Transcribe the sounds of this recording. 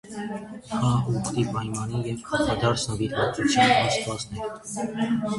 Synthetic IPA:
hʰɑɔkt̪ibɑjmɑnijɛvkʰɑɑd̪ɑɾt͡sʰnəviɾvɑk̪ut͡sʰjɑnɑst̪vɑsnɛɾ

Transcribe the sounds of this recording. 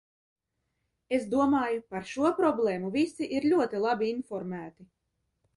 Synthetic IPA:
ezd̪uɔmaːjupaɾʃuɔpɾɔblˠeːmuvisiʔiɾʎʲuɔt̪ilˠabiinfɔɾmæːt̪i

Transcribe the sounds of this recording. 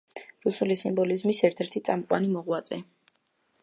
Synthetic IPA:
ɾusulisimbɔlizmisɛɾt̪ʰɛɾt̪ʰit̪sʼamqʼwanimɔʁwat̪zʼɛ

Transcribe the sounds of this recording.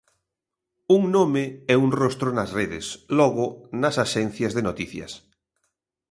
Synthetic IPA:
uŋnomɪɛuŋrost̪ɾonɐsreðɪ̰slɔɣʊnɐsaʃɛn̟θjɐzðenot̪iθjɐ̰s

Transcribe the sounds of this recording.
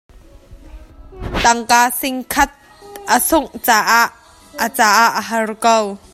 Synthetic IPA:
t̪ɐŋkaːsɪŋkʰɐt̪̚ | ʔəsʊŋt͡saːʔaʔ | ət͡saːʔaʔəɦɐrkow

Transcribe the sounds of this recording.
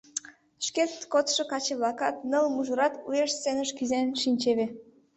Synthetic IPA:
ʃket̪kot̪ʃŏkɑt͡ɕeβlɑkɑt̪nəlmuʒuɾɑt̪ujeʃst͡sːenəʃkizenʃinʲt͡ɕeβe

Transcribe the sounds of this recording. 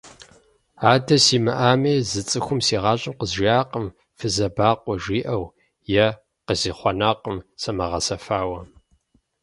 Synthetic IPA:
aːdʰɐsiːmɨʔaːmejzɨt͡sʼɨxʷʊmsiːʁɑːɕʼɪmqəzʒaːqəm | fɨzɐbaːqʷɔʒiːʔɐw | jɛ | qəziːχʷɔnaːqʼəmsɐmɐʁɐsɐfaːwɐ

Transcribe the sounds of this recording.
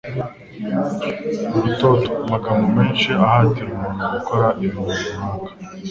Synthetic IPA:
ito̞to̥maɡamumeːnʃiahaːtiɾumuːnuakoɾaʔiβumuzumaːŋɡḁ

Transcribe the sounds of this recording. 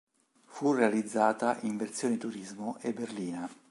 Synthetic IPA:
furealid̪zːaːt̪aʔiɱvert̪sjoːnet̪uɾizmoʔebːerliːna

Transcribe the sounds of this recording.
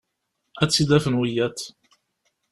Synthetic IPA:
æt͡sːid̪æfənwijæt̪

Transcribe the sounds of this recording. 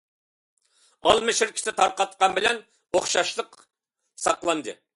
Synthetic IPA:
ɑlˠmɪʃɪɾkʲʰɪ̥sɪt̪ʰɑɾqɑt̪qɑnbɪlɛn | oχʃɑʃlˠəq | sɑqlˠɑnd̪ɨ̰

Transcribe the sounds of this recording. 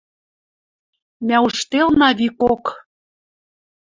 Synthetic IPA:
mæuʃt̪elnɑβikok

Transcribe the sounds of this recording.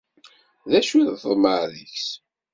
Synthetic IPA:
ðæʃuðθðˤməðəçs

